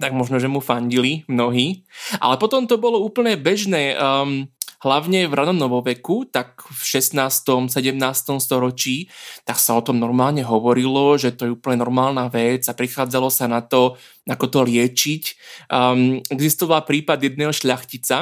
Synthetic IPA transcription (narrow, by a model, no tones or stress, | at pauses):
t̪aɡmɔʒnɔʒɛmufaɲɟilimnɔɦiːʔa̰lɛpɔt̪ɔmt̪ɔbɔlɔuːpl̩ɲɛbɛʒnɛːmɦlaʊɲɛvɾʔanɔnɔʋɔʋɛkut̪akfʃɛsnaːst̪ɔmsɛɟɛmnaːst̪ɔmst̪ɔɾɔt͡ʃiːt̪aksaɔt̪ɔmnɔɾmaːlɲɛɦɔʋɔɾilɔʒɛt̪ɔjɛuːpl̩ɲɛnɔɾmaːlnaʋɛd͡zapɾixaːd͡zalɔsanat̪ɔ | nakɔt̪ɔlɪɛt͡ʃicː | ɛɡzist̪ɔʋalpɾiːpad̪jɛd̪̚nɛːɦɔʃʎaxcit͡sa